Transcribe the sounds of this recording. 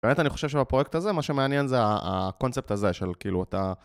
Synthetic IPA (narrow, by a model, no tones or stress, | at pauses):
beme̞taniχo̞ʃevʃebapʁojek̚taze̞maʃemeanje̞nzeaa̰ko̞nt͡sep̚taze̞ʃe̞lkiːluata